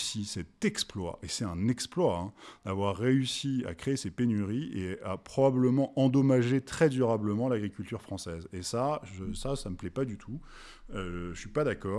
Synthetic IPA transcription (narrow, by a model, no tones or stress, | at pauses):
sisɛt̪ɛksplwa̰ʔesɛt̪ɛ̃nɛksplwaɛ̃d̪̥avwaʁːeysia̰kχeːsepenyʁieapχɔbabləmɑ̃ʔɑ̃d̪ɔmaʒet̪χɛd̪yʁabləmɑ̃laɡʁikʲylt̪yʁfχɑ̃sɛzesaʒəsasaməplɛpad̪yt̪ʰu | øʒʃɥipad̪akɔː